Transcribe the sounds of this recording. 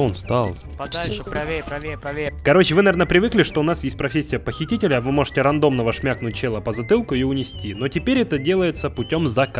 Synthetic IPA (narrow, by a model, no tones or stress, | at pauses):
onfst̪alˠ | kɐɾo̞t͡ɕːɪvɨnɐvʲernəpɾʲɪvɨklʲɪʂt̪oʊnasjesʲt̚ʲpɾɐfʲesʲːɪjəpəxʲɪtʲitʲɪlʲəɐvɨmo̞ʐɨtʲɪɾɐnd̪o̞mnəvəʂmʲaknʊt̚ʲt͡ɕelˠəpəzɐt̪ɨlˠkʊiʊnʲɪsʲtʲino̞tʲɪpʲeɾʲɛt̪ədʲe̞lˠəjɪt̪səpʊtʲo̞mzɐk